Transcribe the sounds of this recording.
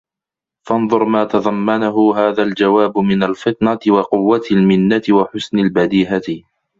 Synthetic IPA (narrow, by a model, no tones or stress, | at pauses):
fɑnðˤʊɾmaːt̪ɑðˤɑmːanaɦʊɦaːðald͡ʒawaːbmɪnalfɪt̪ˤnat̪ɪwɑqʊwːat̪almɪnːat̪ɪwaħʊsnalbad̪iːɦat̪